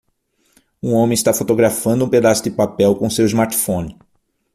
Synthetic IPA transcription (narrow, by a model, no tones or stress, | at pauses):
ũõmẽj̃ɪst̪afot̪oɡɾafɐ̃nd̪ũped̪asʊd̪ɪpapɛwkõsewizmaɾt̪i̥fõnɪ